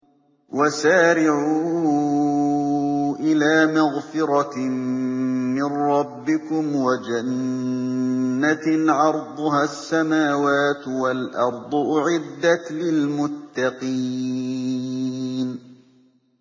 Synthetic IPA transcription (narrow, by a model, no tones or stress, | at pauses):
wasaːɾɪʕuː | ʔɪlaːmaɣfɪɾɑ | mɪnɾˤɑbːɪkʊmwad͡ʒan | aʕɑɾˤd̪ˤʊɦaːsːamaːwaːt̪walʔɑɾˤd̪ˤʊʔʊʕɪd̪ːat̪lɪlmʊt̪ːɑqi | n